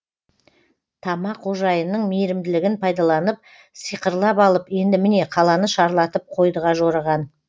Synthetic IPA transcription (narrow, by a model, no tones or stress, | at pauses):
t̪ʰɑmɑqoʒɑjənːəɴmejɾɪmd̪ɪlɪɡʲɪnpʰɑjd̪ɑlˠɑnəp̚ | sijqəɾlˠɑpɑlˠəpe̞nd̪ɪmɪne̞qʰɑlˠɑnəʃɑɾlˠɑt̪əp̚qʰo̞jd̪əʁɑʒo̞ɾɑʁɑn